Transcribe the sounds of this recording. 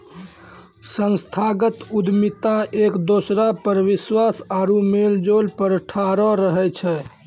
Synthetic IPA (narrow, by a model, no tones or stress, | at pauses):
sə̃nst̪ʰaɡət̪ud̪mit̪aʔekd̪osɾapəɾʋiswasaɾumeld͡ʒolpəɾʈʰaɾɔɾəɦɛt͡ʃʰɛ